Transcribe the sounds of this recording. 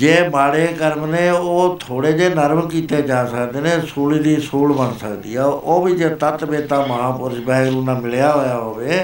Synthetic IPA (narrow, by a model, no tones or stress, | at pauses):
d͡ʒeːmaːɽeːkəɾmneːoːt̪ʰoːɽeːd͡ʒeːnəɾmkiːt̪eːd͡ʒaːsəkd̪eːneːsuːliːd̪iːsuːlbənsəkd̪ḭːɛːoːbiːd͡ʒeːt̪ət̪beːt̪aːməɦãːpʊɾd͡ʒbɛːɡɾuːnãːmɪljaːɦoːjaːɦoːʋeː